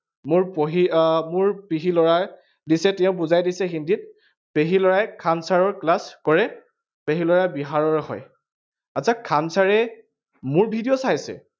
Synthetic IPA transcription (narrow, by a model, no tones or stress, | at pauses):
mʊɹpoɦimʊɹpiɦilɔɹa | disɛtɛʊ̃buzajdisɛɦindit̚ | peɦilɔɹajkʰansaɹɔɹklaskɔɹɛ | peɦilɔɹabiɦaɹɔɹɦɔ̰j | asʰakʰansaɹɛ | mʊɹbʱidijɔsaɦjsɛ̰